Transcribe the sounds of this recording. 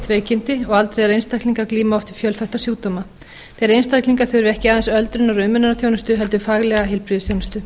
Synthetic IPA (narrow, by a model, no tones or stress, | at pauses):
t̪veːjcɪnt̪ɪɔɣalt̪ɾejðɛɾejnst̪akliŋkakliːmaɔft̪ɪ̥fjœlθɛht̪asjuːt̪oma | θejɾejnst̪akliŋkaθʏɾʏɾɛhcɪaðɛnsœlt̪ɾʏnɔɾʏmʏnanaθjoːwnʏst̪ʏɦɛl̪t̪ʏfaɣlɛɣaɦɪlpɾiðʏsθjownʏst̪ʏ